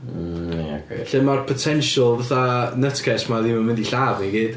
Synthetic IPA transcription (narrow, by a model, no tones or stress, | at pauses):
kḛɬɪmarpʰɔtʰɛnʃəlˠvaθanətʰkʰɛsmaðiməmɪndiɬavniɡiːd̥